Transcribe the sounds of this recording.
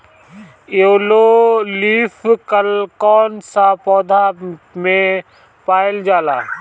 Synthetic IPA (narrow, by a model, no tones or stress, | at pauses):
oːloliːfkəlkɔːnsapɔːd̪ʱamẽ | paːɪld͡ʒaːla̰ː